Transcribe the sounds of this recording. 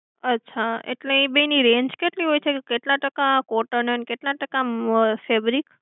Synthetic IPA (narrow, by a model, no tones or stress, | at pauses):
ətːʃʰaḛʈleĩbəiniɾẽɲd͡ʒkeʈliɦojt͡ʃʰeekeʈlãʈəkakoʈənənkeʈlaʈəkafebɾik